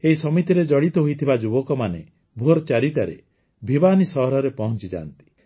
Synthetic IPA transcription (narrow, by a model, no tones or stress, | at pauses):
eɦisɔmit̪iɾed͡ʒɔɽit̪ɔɦojt̪ʰibad͡ʒubɔkɔmane | bʱoɾɔt͡ʃaɾiʈaɾḛ | bʱibanisɔɦɔɾɔɾepɔɦɔnt͡ʃid͡ʒa̰ːnt̪i̥